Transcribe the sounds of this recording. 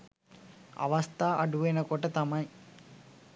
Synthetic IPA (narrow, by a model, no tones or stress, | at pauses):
ɐ̰ʋɐst̪ʰaːʔɐɖuʋɐjnɐkɔʈɐt̪ɐmɐj